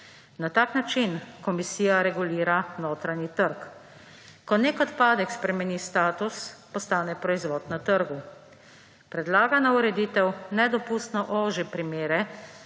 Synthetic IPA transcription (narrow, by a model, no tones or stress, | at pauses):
nat̪aːknat͡ʃinkɔmisiːjaɾɛɡuliːɾanoːt̪ɾanit̪əɾk | kɔneːkɔt̪paːd̪ɛkspɾɛmɛnist̪aːt̪uspɔst̪aːnɛpɾɔizʋɔːd̪nat̪əɾɡu | pɾɛd̪laːɡanauɾɛd̪iːt̪ɛwnɛd̪ɔpust̪nɔʔoːʒipɾimeːɾɛ